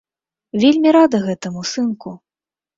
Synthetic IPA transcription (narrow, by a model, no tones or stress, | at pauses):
vʲelʲmʲiɾad̪ɐɣɛt̪ɐmusɨnku